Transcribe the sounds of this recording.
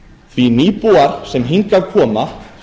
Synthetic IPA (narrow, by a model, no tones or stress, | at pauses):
θʰviniːpuaɾ̥sɛmɦiŋkavkʰɔːma